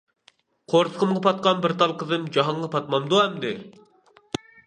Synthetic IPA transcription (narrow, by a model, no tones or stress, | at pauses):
qʰoɾsə̥qʰəmʁɑpʰɑt̪̚qɑnbɪɾt̪ʰɑlˠqʰəzɨmd͡ʒɑɦɑɴʁɑpʰɑt̪̚mɑmd̪uɛmd̪ɪ